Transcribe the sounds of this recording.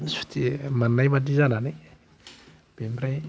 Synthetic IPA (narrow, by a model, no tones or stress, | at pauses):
isu̥t̪imanːajmaʈ͡ʂizanani | b̥emraj